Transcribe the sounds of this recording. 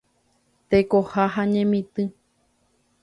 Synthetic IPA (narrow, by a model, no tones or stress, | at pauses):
t̪ekohaɦaɲẽmĩt̪ɨ